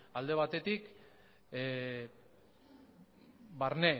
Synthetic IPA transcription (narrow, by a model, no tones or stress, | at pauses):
ald̪e̞β̞at̪e̞t̪ik | baɾne